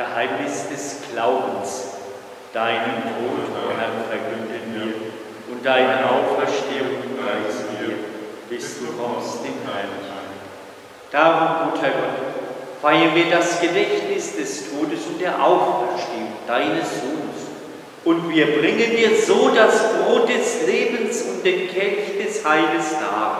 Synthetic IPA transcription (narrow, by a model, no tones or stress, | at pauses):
əhaɪmnɪsd̥ɛsɡ̥laʊbn̩s | d̥aɪnəntʰoːthɛfɛɐkʰʏndənviːɐ | ʔʊnt̚d̥aɪnəʔaʊfɛɐʃteːʊŋʁaɪsiɐ | b̥ɪsd̥uːkɔsd̥eːmhɦɛɐna̰ɪn | d̥aːʁʊmɡuːthɛɐɡɔtfaɪɐnviːɐdasɡ̥ədɛçtnɪsd̥ɛstʰoːdəsʊnt̚d̥eːɐʔaʊfɛɐʃteːʊŋd̥aɪnəsz̥oːnəs | ʔʊntv̥iːɐbʁɪŋəndiːɐzoːdasb̥ʁoːt̚d̥ɛsleːbn̩sʊnt̚d̥eːkʰɛnçd̥ɛshaɪləsnaː